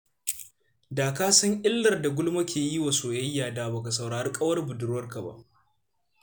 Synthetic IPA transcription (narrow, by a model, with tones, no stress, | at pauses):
daː˨kaː˦sʊ˦ŋʔɪ˦lːɐ˨rda˨ɡʷʊ˦lma˦kʲeː˨ji˦wa˨soː˨jɐ˦jːaː˨daː˨ba˨ka˨sɐ˨wɽaː˨ɾɐ˦kʼɐ˦wɐ˦rbʊ˨dʊ˦rwɐ˦rka˨ba̰˦˨ʔ